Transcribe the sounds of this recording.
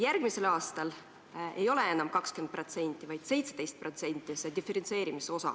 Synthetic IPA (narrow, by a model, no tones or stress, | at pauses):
jæɾɡ̥mise̞lɑːst̪ɑl | e̞̰jo̞le̞e̞nɑmkɑkskend̪̚pro̞t̪se̞nʲt̪ʲːˑivɑjd̪̥se̞jt̪sed̪̥e̞jst̪̚pro̞t̪se̞nʲt̪ʲːˑise̞d̪ifeɾentse̞ːɾimiso̞sɑ̰